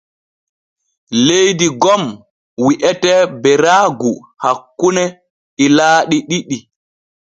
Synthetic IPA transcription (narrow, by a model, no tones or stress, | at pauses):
lejdiɡɔm | wiʔɛtɛbɛɾaːɡu | hakːunɛ | ilaːɗiɗiɗi